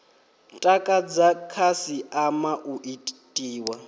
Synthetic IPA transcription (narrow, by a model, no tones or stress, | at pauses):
tʼakʼad͡zakʰasiʔamaʔuʔitʼiːwa